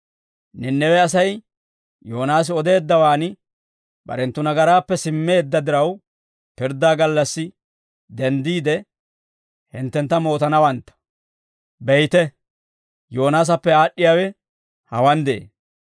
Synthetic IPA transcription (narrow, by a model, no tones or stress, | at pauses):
nɛnːɛwɛɐsɐj | jo̞ːnaːs̬ɪɔd̪e̞ːd̪ːɐwaːnɪ | bɐ̰ɾɛnt̪ːʊnɐɡɐɾaːpːɛsɪmːe̞ːd̪ːɐd̪ɪɾɐw | pɪɾd̪ːaːɡɐlːɐsːɪ | d̪ɛnd̪iːd̪ɛ | hɪnt̪ːɛnt̪ːɐmo̞ːt̪ɐnɐwɐnt̪ːɐ̥ | bɛjt̪ɛ | joːnaːs̬ɐpːɛaːɗːɪjaːwɛ | hɐwɐnd̪ɛḛː